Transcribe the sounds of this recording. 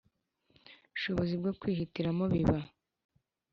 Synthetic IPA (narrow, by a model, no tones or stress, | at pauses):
uʃo̞βo̞zibɡokwiːhitiɾamoβiβa